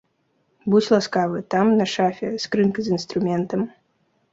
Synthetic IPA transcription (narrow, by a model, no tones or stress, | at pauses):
but͡sʲlˠaskavɨt̪amnɐʂafʲɛskɾɨnkɨzɨnst̪ɾumʲɛnt̪ɐm